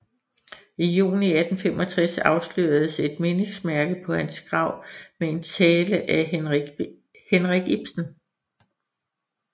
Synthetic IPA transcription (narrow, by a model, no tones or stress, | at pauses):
ijṵːniæd̥n̩femɒ̽t͡sʰʁɛsɑ̈ʊslø̰ɐðˠse̝d̥me̝ne̝ŋsmæɐɡ̥əpʰɒ̽hænsɡ̥ʁɑ̈ʊ̰mee̝nt͡sʰɛːləʔæ | henʁaɡ̥ib̥sn̩